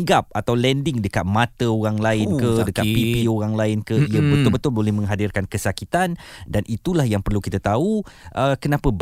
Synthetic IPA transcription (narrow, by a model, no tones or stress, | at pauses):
ɡap̚at̪awlɛndɪŋdəkat̪̚mat̪əoɾaŋlaɪnkədəkapipioɾaŋlaɪnkəiəbət̪ʊlbət̪ʊlbolɛhmə̃ŋɦadɪrkankəsakit̪andanʔit̪ulahjaŋpərlukit̪at̪auʔəkənãpəb